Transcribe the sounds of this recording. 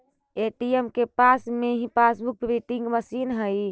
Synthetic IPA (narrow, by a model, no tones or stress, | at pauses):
eʈiemkepasmeɦĩpasbuk̚bɾiʈiŋɡməsinɦəj